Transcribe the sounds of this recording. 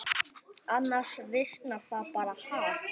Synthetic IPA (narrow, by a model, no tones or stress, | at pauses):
anaʂreʃnafapaɾaha